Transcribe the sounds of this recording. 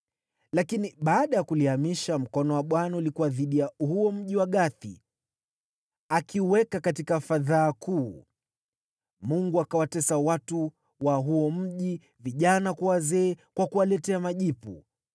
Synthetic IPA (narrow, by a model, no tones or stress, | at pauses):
lakiniɓaːɗajakuliamiʃam̩kɔnɔwaɓwanaulikuwaðiɗijahuɔm̩ʄiwaɠaθḭ | akʰiuwɛkakatikafaðaːkuː | muŋɡuakawatɛsawatu | waɦuɔm̩ʄi | viʄanakuwazɛːkwakualɛtɛamaʄipṵ